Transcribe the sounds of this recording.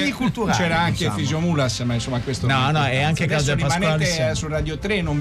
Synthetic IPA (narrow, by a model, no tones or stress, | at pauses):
d̪ikult̪uat͡ʃɛːɾaaŋkefizjomulasmainsomːakwest̪onɔnɔɛaŋkekaszlimmet̪esurad̪jot̪ɾenːom